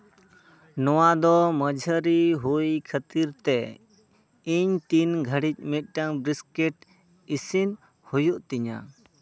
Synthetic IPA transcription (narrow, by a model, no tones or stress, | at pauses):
nɔwad̪ɔməd͡ʒʱəɾiɦujkʰət̪iɾt̪ɛ | iɲt̪inɡʱəɽic̚mit̪̚ˀʈaŋbɾiskɛʈ | isin | hujuʔt̪iɲa̰